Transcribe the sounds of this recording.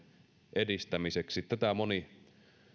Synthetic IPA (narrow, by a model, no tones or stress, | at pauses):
ʔedist̪æmiseksit̪t̪ːæt̪æmoni